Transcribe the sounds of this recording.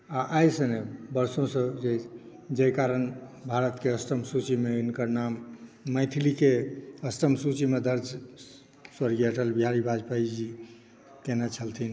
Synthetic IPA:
aʔajsənebəɾsõsə̃d͡ʒe | d͡ʒejkaɾənbʱaɾət̪keəsʈ̪əmsut͡ʃimeinkəɾnamːəɪt̪ʰilikeəsʈ̪əmsut͡ʃimed̪əɾd͡ʒ | swəɾɡijəʈʰəlbiɦaɾibʱad͡ʒpaid͡ʒi | kenat͡ʃʰəlt̪ʰin

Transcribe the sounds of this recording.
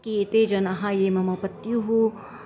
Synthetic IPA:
kiet̪eːd͡ʒɐnɐɦãjeːmɐmɐpət̪juɦu

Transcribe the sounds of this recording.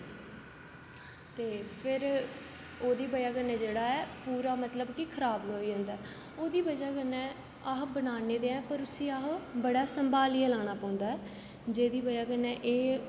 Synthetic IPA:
t̪eːpʰɪɾ | oːd̪iːbəjaːkənɛ̃ːd͡ʒeːɽaːɛːpuːɾaːmət̪ləbkikʰəɾaːbloːiːɦʊ̃nd̪aːɛː | oːd̪iːbəd͡ʒaːkənɛ̃ː | aːɦbənaːneːd̪eːɛ̃ːpəɾʊsĩːaːɦbəɽaːsəmbaːliːalaːɽ̃aːpãːʊnd̪aːɛː | d͡ʒeːd̪iːbəjaːkənɛ̃ːʔeː

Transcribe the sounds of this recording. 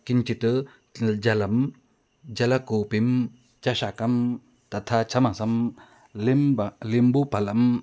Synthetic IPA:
kint͡ʃit̪ɯ | d͡ʒɐlɐm | d͡ʒɐlɐkopim | t͡ʃɐʃakɐm | t̪ɐt̪ʰat͡ʃʰɐmasɐm | limlimbupɐlɐm

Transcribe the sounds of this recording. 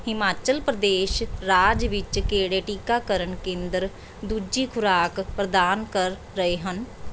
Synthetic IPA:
hɪmaːt͡ʃəlpɾəd̪eːʃɾaːd͡ʒʋɪt͡ʃkeːɽeːʈiːkaːkəɾəɳkẽːnd̪əɾ | d̪uːd͡ʒiːkʰʊɾaːkpɾəd̪aːnkəɾːəeːɦən

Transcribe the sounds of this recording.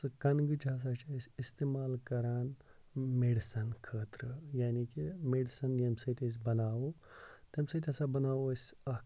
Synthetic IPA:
ɨkɐnɡɨt͡ʃʰaːs̬aːt͡ʃʰasʲist̪eːmaːlkɐɾaːn | meɖsɐnkʰəːt̪ɾɨjaːnikimeɖsɐnjɐmsɐt̪ʲes̬bɐnaːwo | t̪ɐmsɐt̪ʲɐsabɐnaːwosʲɐ

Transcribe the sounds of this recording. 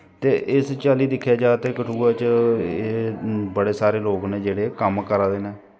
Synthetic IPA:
t̪eːʔɪst͡ʃaːliːd̪ɪkʰːjaːd͡ʒaːt̪eːkəʈʰuːaːt͡ʃeːbəɽeːsaːɾeːloːkneːd͡ʒeːɽeːkəmkəɾaːd̪eːneː

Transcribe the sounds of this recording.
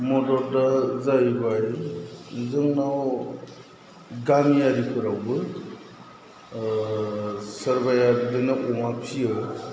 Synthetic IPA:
mɔdɔɾdazajbaj | zɯŋnaw | ɡamijaɾikʰɯɾawbɯ | səɾbajadidɯnaʔɔmapʰijɯ

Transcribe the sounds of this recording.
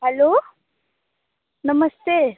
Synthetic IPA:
ɦɛloː | nɐməst̪e

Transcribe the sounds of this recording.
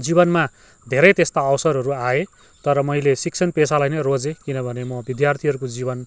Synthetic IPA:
d͡zibʌnma | d̪ʱeɾʌjt̪est̪aʌwsʌɾɦʌɾuae | t̪ʌɾʌmʌjlesik̚t͡sʰʌnpesalajnʌjrod͡zekinʌbʱʌnemʌbid̪jart̪ʰiɦʌɾukod͡zibʌn

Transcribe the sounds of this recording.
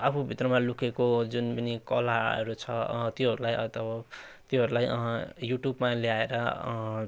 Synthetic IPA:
apʰubʱit̪rʌmalukʰekod͡zunpʌnikʌlaʌ̰ɾut͡sʰʌt̪joɦʌɾulajʌ̰t̪ʌbʌt̪joɦʌɾulajjuʈjubmaleaeɾʌ

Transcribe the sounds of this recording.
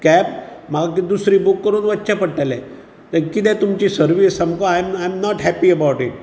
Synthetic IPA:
kæp̚maɡakid̪usɾiːbukːəɾuːnʋətːt͡ɕapəɽʈalɛ̃ | t̪əɾkit̪̬ɛ̃t̪umt͡ɕiːsəɾʋisamkoajmajmnɔʈɦæpiəbawʈiʈ̚

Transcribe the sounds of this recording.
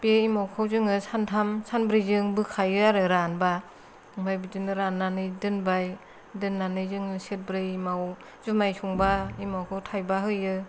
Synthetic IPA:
b̥eimawkʰawzɯŋɯsantʰamsanbɾɯjzɯŋbɯkʰajɯaɾɯɾanba | ɯŋbajbɯzɯŋɯɾanːanɯjdɯnbaj | dɯnːanɯjzɯŋɯset̚bɾɯjimaw | zumajsuŋbaimawkʰawtʰajbaɦɯjɯ

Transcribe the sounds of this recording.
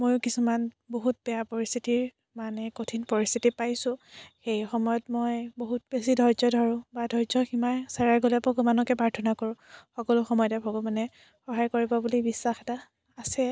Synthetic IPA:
mojʊkisuman | boɦut̚bɛjapoɹistitiɹ | manɛkotʰinpoɹist̪ʰitipajsʊ̃xejxɔmɔjɔtmɔjboɦut̚besidʱɔɹzɔdʱɔɹʊ̃badʱɔɹzɔximajsaɹaɹɡolɛpoɡɔmanɔkɛpaɹtʰɔnakɔɹʊ̃xɔkɔlʊxɔmɔjɔtɛpʰɔɡɔmanɛ | xɔɦajkoɹibɔbulibisːaxɛtaː | sɛ

